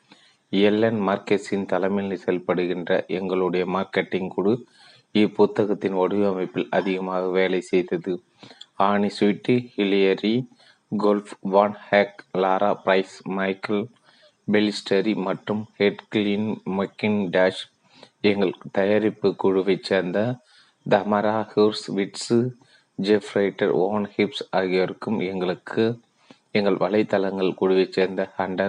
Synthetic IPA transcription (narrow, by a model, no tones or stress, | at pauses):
jɛlːɐnmɐːɾkesɪnt̪ɐlɐmɪlnɯsɛlpɐɽɯɣɪndrɐ̰ʔɛŋɡɐɭɯɽɐjɐmaːɾkeʈːɪŋkuɽɯ | ipʊt̪ːɐɣɐt̪ːɪnɔɽɯɐmɐɪpːɪlɐ̰ðɪɣɐmaːɣɐʋeːlɐɪsɛjðɐðɯ | aːɳisɪʈːihɪlɪjɐɾi | ɡoːlfʋaːnhaːklaːɾaːpɾɐɪsmɐɪkɐl | bɛlɪsʈʰɐɾimɐʈrɯmhɛʈklinmɐkːɪnɖaːʂ | ɛŋɡɐɭt̪ɐjaɾɪpːɯkːuɻɯʋɐt͡ʃːeːɾnd̪ɐ | d̪ɐmɐɾaːhuɾsʋɪʈsɯ | d͡ʒɛfɾɐɪʈːɐ̰ɾoːnhɪpsaːɣɪjɐɾɯkːɯmɛŋɡɐɭɯkʰːɯ | ɛŋɡɐɭʋɐɭɐɪt̪ːɐlɐŋɡɐɭkuːɽʊʋɐt͡ʃːeːɾnd̪ɐhɐɳɖɐ